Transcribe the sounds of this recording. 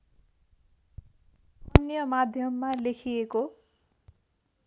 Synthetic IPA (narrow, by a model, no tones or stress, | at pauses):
ʌnjʌmad̪ʱjʌmːalekʰieko